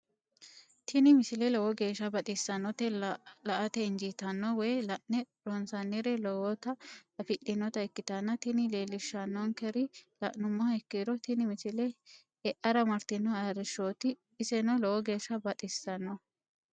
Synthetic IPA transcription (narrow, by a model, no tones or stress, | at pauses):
t̪ʰɪnɪmɪsɪlɛlɔwɔɡe̞ːʃːɐbɐt̪ʼɪsːɐnːɔt̪ɛlɐʔɐt̪ɛɪnd͡ʒit̪ɐnːɔwɛjlɐʔnɛ | ɾɔnsɐnːɪɾɛlɔwɔt̪ɐɐfɪʔɪnːɔt̪ɐɛkːɪt̪ɐnːɐt̪ɪnɪleːlːɪʃːɐnːɔŋkɛɾɪlɐ̰ʔnʊmːɔɐɛkːiːɾɔt̪ɪnɪmɪsɪlɛ | ɛʔɐɾɐmɐɾt̪ɪnːɔaɾɪʃːoːt̪ɪː | sɛnɔlɔwɔɡe̞ːʃːɐbɐt̪ʼɪsːɐnːɔ